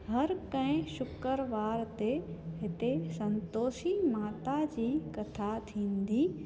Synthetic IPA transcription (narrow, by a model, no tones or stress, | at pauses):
ɦɐɾkə̃ɪ̃ʃʊkəɾʋaːɾt̪eɦɪt̪esɐ̃nt̪oːʃimaːt̪ad͡ʑiːkɐt̪ʰat̪ʰĩːnd̪iː